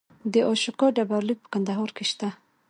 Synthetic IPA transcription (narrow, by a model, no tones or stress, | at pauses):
d̪əʔɑʃukɑɖabaɾlik̚pə̥kand̪aɦɑɾkeʃt̪a